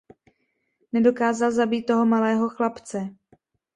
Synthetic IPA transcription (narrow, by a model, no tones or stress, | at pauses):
nɛdo̞kaːzalzabiːt̪̚ːo̞ɦo̞malɛːɦo̞xlapt͡sɛ